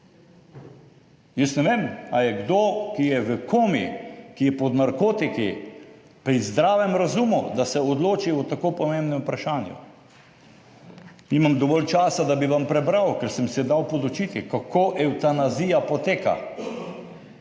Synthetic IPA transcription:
jəsnɛʋeːmajɛɡd̪okijɛʋəkoːmikijɛpɔd̪naɾkoːt̪iki | pɾizd̪ɾaːʋɛmɾazumud̪asɛɔd̪loːt͡ʃiut̪akoːpɔmembnɛmpɾaʃaːnjṵ | nimamd̪ɔʋɔlt͡ʃaːsad̪abiʋampɾɛbɾawkɛɾsɛmsɛd̪awpɔd̪ut͡ʃit̪ikakʰoːʔɛwt̪anazijapɔt̪eːka̰

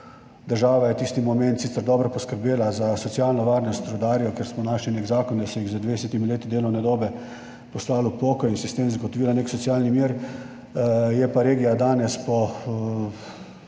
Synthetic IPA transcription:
d̪əɾʒaːʋajɛt̪iːst̪imɔmɛ̃nt̪siːsəɾd̪ɔːbɾɔpɔskəɾbeːlazasɔt̪sijalnɔʋaɾnɔst̪ɾɔd̪aːɾijɔkeɾsmɔnaːʃlineːɡzaːkɔnd̪asɛjiɣzəd̪ʋed̪ɛsɛt̪imileːt̪id̪eːlɔnɛd̪oːbɛ | pɔslaːlupɔːkɔjinsɛst̪emzɡɔt̪ɔʋiːlaneːksɔt̪sialnimjeɾ | jɛpaɾeːɡijad̪aːnɛspɔ

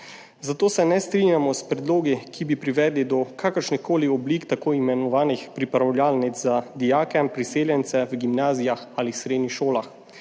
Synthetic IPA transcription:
zat̪oːsɛnɛst̪ɾinjamɔspɾɛd̪loːɡikʰibipɾiʋɛd̪lid̪ɔkʰakəɾʃnixkoːliɔbliːkt̪akoːimɛnɔʋaːnixpɾipɾawljaːlnit̪zzad̪ijaːkɛpɾiseːljɛnt̪sɛwɡimnaːzijaxaːlisɾeːd̪nixʃoːlax

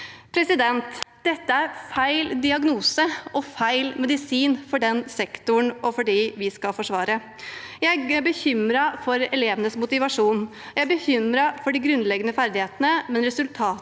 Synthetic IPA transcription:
pʰɾɛsɪd̪ɛnt̪d̪ɛt̪ːəæɾfæɪld̪ɪɑɡnuːsəʔɔfæɪlmɛd̪ɪsiːnfɔɖɛnsɛkt̪ʊɳɔfɔɖiːʋɪskɑlfɔʂʋɑːɾə | jæɪæbəçʏmɾɑfɔɾɛleːʋənəsmʊt̪ɪʋɑʂuːn | jæɪæbəçʏmɾɑfɔɖɪɡɾʉnlɛɡənəfæɾd̪ɪheːt̪ənəmɛnɾɛsʉlt̪ʰɑː

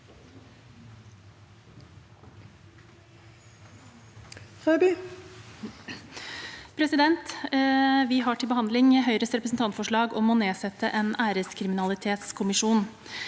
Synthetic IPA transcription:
fæɾby | pʰɾɛsɪd̪ɛnt̪ | ʋɪɦɑʈʰɪlbəhɑnd̪lɪŋɛɦœʏɾəst̪ɾɛpɾəsn̩t̪ʰɑnt̪fɔʂɭɑːɡɔmoːneːsɛt̪əʔeːnæːɾəskʰɾɪmɪnɑlɪt̪ʰeːt̪skʰʊmɪʂuːn

